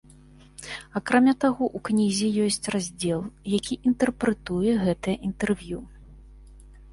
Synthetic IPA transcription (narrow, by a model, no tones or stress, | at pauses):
akɾamʲat̪aɣɔʔuknʲizʲijɔsʲt͡sʲrazʲd͡zʲɛlˠjakʲiʔint̪ɛrpɾɛt̪ujɛɣɛt̪ɨjɐʔint̪ɛrvʲju